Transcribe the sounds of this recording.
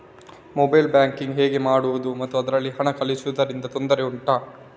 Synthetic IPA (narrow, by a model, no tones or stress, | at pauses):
mobɐjlbjaːŋkiŋɡɦeːɡemaːɽuʋud̪umɐt̪ːuɐd̪ɐɾɐlːiɦɐɳɐkɐɭisuʋud̪ɐɾind̪ɐt̪o̞nd̪ɐɾe̞uɳʈaː